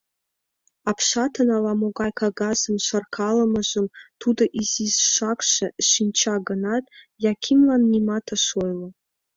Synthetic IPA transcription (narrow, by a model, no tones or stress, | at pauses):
apʰʃatʰɐnalamoɡajkʰaɡazɨmʃʷarkʰalɐmɐʒɨmtʰudɐʔizizʃʷakʷʰʂɐʃint͡ʃʰaɡɐnatʼ | jakʲʰimlanːimatʰaʃojlɐ